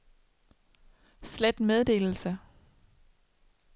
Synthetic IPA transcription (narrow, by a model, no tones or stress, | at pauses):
sled̥með̞ˠd̥e̝̰ːl̩sə